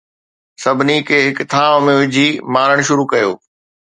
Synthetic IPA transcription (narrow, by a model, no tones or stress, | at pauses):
sɐbʱɪnikʰeːɦɪkt̪ʰaːʋmẽʋɪd͡ʑʱimaːɾəɽ̃ʃʊɾukɐjo̰ː